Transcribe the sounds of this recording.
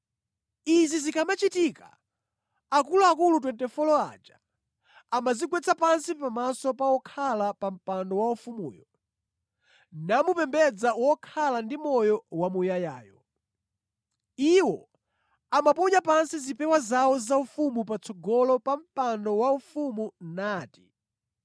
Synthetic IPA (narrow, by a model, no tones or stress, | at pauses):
izizikʰamat͡ʃitika̰ | akuluakulut̬wɛntɛfɔlɔa̰d͡ʒa | amazikwɛt͡sʰapansipamasɔpawɔkʰalapam̩pandɔwaufumṵːjɔ | namupɛmbɛd͡zawɔkʰalandimɔjɔwamujajaːjɔ | iwɔ | amapɔɲapansizipɛwazawɔzaufumupat͡sʰɔɡɔlɔpam̩pandɔwaufumunaːti̥